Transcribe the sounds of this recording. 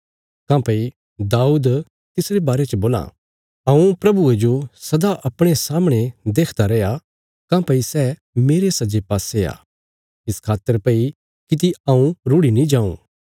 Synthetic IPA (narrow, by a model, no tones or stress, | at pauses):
kãːpɐi | d̪aːuːd̪ | t̪ɪsɾebaːɾet͡ʃəboːlã̰ | ɐ̃ũpɾɐbued͡ʒosɐd̪aʔɐpɽ̃esaːmɽ̃ed̪eːkʰd̪aɾɛja | kãːpɐisɛ | meːɾesɐd͡ʒepaːsea̰ː | ɪskʰaːt̪ːəɾpɐi | kit̪̬iɐ̃ũɾʊɽinĩd͡ʒãːṵ̃ː